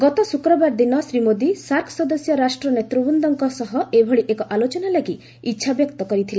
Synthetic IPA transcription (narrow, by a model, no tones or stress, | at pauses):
ɡɔt̪ɔsukɾɔbaɾd̪inɔsɾimod̪isaɾkʰsɔd̪ɔsjɔɾasʈɾɔnet̪ɾubund̪ɔŋkɔsɔɦɔebʱɔɽiʔekɔʔalot͡ʃɔnalaɡi | itːʃʰabjɔkt̪ɔkɔɾit̪ʰile